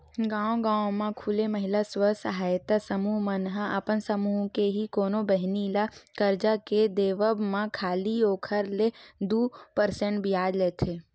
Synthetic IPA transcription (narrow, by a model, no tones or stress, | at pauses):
ɡãːõɡãːõmãkʰuleməɦɪlaswəsəɦaːjt̪asəmuːɦmənɦaʔəpənsəmuːɦkeɦikoːnobəɦnilakəɾd͡ʒaked̪eːʋəbmãkʰaːlioːkʰəɾled̪uːpəɾsẽɳʈbʱijaːd̪leːt̪ʰe